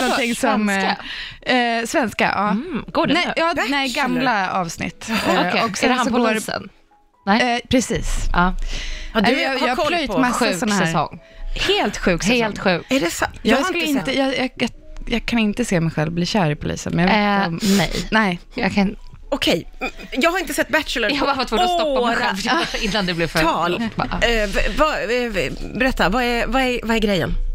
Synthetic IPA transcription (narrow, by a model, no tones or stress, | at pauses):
nɔnt̪ɪŋːsɔma | svɛnska̰ʔɑːɡ̥oːdnɛjɑːnɛɪɡamlaɑːvsnɪ̰t̪ːɔksɛsɔɡoːɾɛ̰n | nɛpʰɾɛsiːsɑːd̪jɑːlmasasɔnahɛɾsɔ̰ŋːheːlt̪ɧʉ̟ːkssɛslt̪ːɧʉ̟ːkɛɖɛsajɑːɡskɵləɪnt̪əjɑːjɑ | jɑːɡkʰanɪnt̪əseːmɛjɧɛlvbliːɕœːɾɪpʰʊlḭːsənmɛnjaɔmɛ̰jnɛjɑ̰kʰa | ɔkʰɛj | jɑːɡhaɾɪnt̪əsɛt̪ːbæt̪t͡ʃləvaɾfat̪foːst̪ɔpːd̪ɛfdɔɪnːand̪ɛblɪɾfœɑːl | va | bɛɾɛt̪ːavaævaævaɛɾɡɾɛjːə̰n